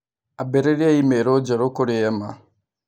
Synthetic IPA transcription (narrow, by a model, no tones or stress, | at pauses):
abeɾeɾiaimeɾod͡ʒaɾokoɾijama